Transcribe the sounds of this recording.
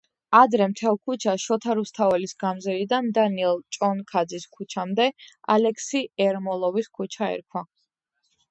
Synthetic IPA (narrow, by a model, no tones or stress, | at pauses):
ad̪ɾɛmt̪ʰɛlˠkʰut͡ʃʰaʃɔt̪ʰaɾust̪ʰavɛlisɡamzɛlid̪and̪aniɛlˠt͡ʃʼɔnkʰad̪ziskʰut͡ʃʰamd̪ɛa̰lɛkʰsiɛɾmɔlˠɔviskʰut͡ʃʰaɛ̰ɾkʰwa